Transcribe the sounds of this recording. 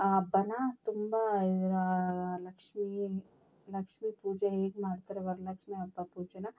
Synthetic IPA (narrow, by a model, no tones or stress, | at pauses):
abɐnat̪ʊmbaɾalɐkʃmi | lɐkʃmipuːd͡ʒaeːkmaːɾt̪ɐɾɛʋɐɾlɐkt͡ʃmẽɐbapuːd͡ʒɐna